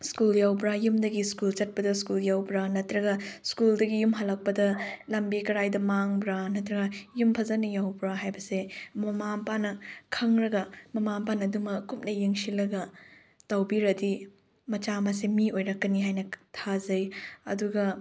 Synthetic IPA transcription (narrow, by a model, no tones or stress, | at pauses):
skuljawbɾajumdɐɡiskult͡ʃɐt̚pɐdɐskuljawbɾanɐtɾɐɡɐskuldɐɡijumɦɐlɐk̚pɐdɐlɐmbikɐɾajdɐmaŋbɾanɐtɾɐɡɐjumpʰɐzɐnɐjawbɾaɦajbɐsemɐmampanɐkʰɐŋɾɐɡɐmɐmampanɐdumɐkup̚nɐjeŋsilɐɡɐ | tɐwbiɾɐdi | mɐt͡ʃamɐs̬emiojɾɐkːɐniɦajnɐtʰazɐjɐ̰duɡɐ